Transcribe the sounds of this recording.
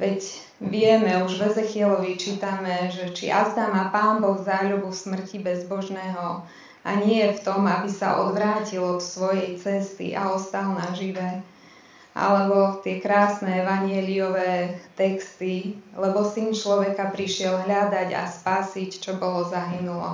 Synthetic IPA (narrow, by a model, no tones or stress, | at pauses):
ʋɛc | ʋɪɛmɛuʒʋɛzɛxɪɛlɔʋit͡ʃiːt̪amɛʒɛt͡ʃḭʔa̰zd̪amapaːnbɔɣzaːʎubufsmr̩cibɛzbɔʒnɛːɦɔ | ʔa̰ɲɪɛft̪ɔmabisa̰ʔɔ̰d̪ʋɾaːcilɔt̪sʋɔjɛjt͡sɛst̪ḭʔa̰ɔst̪alnaʒiʋɛ | ʔa̰lɛbɔt̪ɪɛkɾaːsnɛɛʋaɲɪɛliɔʋɛːt̪ɛkst̪ilɛbɔsint͡ʃlɔʋɛkapɾiʃɪɛlɦʎad̪aɟa̰spaːsict͡ʃɔbɔlɔzaɦinulɔ̰